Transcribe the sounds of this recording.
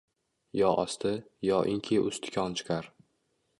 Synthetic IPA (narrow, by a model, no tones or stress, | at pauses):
jɒʔɒst̪ʰɪjɒʔɪŋkʲʰiʔʊst̪ʰɪ̥kʲʰɒnt͡ʃʰɪ̥qʰɑɾ